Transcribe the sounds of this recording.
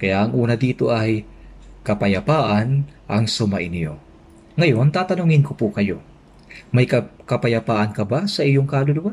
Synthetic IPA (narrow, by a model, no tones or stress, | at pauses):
kɐjaʔɐŋʔuːnɐd̪iːt̪oʔɐjkɐpɐjɐpaːʔɐnʔɐŋsʊma̰ʔɪnjo̞̰ | ŋɐjo̞nt̪aːt̪ɐnʊŋɪnkopukɐjo̞̰ | mɐjkɐkɐpɐjɐpaːʔɐnkɐbasɐʔɪjoŋkalʊlʊwan